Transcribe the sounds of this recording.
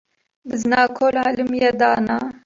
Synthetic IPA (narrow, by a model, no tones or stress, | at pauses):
bɨznɑːkʰoːlaːlɨmjɛd̪ɑːna